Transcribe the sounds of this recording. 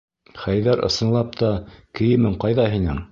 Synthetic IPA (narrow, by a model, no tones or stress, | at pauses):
χæjðæɾɤ̰̆sɤ̆nlˠɑp̚t̪ɑkɘ̆jɘmɘɴqɑjðɑɦinɘ̰ŋ